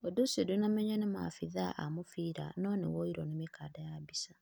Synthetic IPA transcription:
odosedonamɛɲɔnema̰fiðaʔamofiːɾa̰nɔnewɔiɾɔnemekaːdajabisa

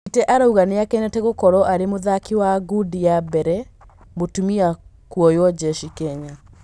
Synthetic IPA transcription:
itɛʔaɾauɣaneakɛnɛtɛɣokɔɾɔʔaɾemoðakiwaɡudijabɛɾɛ | botumia | kwɔjɔd͡ʒɛʃikɛɲa

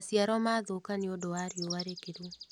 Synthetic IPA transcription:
siaɾɔmaːðokaneodoaɾeowaɾekeɾwo

